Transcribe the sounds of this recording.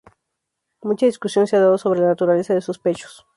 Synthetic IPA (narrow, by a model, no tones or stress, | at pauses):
mũt͡ʃaðiskusjo̞nseaðaðoso̞β̞ɾelanat̪uɾale̞saðesuspe̞t͡ʃo̥s